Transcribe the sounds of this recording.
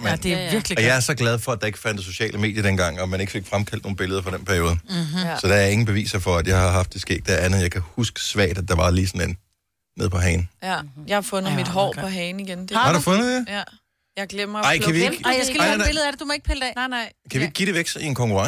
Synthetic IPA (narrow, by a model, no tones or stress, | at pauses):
med̥eiɐɡ̥liɒjɑ̈æɐsɒ̽ɡ̥læð̞ˠfɒ̽æd̥ɑ̈e̝ɡ̥əfænd̥əso̝ɕɛ̰ːlʔəme̝ːdjɐɾ̥enɡ̥ɑ̈ŋ̰ɒ̽mæne̝ɡ̥əfe̝ɡ̥fʁamkʰæl̰d̥noːn̩b̥e̝ləðˠɐfɒ̽ɾ̥enpʰæɐjo̝ːð̞ˠsɒ̽d̥ɑæɐe̝ŋn̩b̥e̝ʋḭːsɐfɒ̽æd̥jɑ̈ɪhɑ̈ɦɑ̈fd̥e̝sɡ̥e̝̰ːd̥̚d̥eænð̩ˠjɑ̈ɪkʰæhusɡ̥ə̥sʋæ̰ɐːd̥æd̥ɑ̈ʋɑ̈liːsɒ̽nenː | e̝ð̰ˠpʰɒ̽ɦɛːnjɑhɑfɔð̩nð̩mid̥ɦɒ̰ːɒ̽ɦɛːniɡ̥end̥hɑ̈ɾufɔ̽nðˠdd̥e | jɑɪɡ̥lemɐɑ̈ɪ̰kʰæʋieɡ̥ɡææeləð̩ˠæded̥umɒe̝ɡ̥pʰeld̥ɛ̰ːnnɑɪ̰kʰæʋie̝ɡ̥̚ɡiɾ̥e̝ʋeɡ̥sɐie̝nkʰɒ̽ŋkuʁɑ̈